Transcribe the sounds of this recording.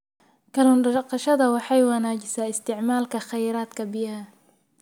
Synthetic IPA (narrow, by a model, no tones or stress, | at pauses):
kɐlʊnɖɑqɑʃɐðɐwɑħɑjwanaːd͡ʒɪsaːɪst̪ɪʕmaːlkʰɐxɑjɾaːd̪kʰɐbɪjaː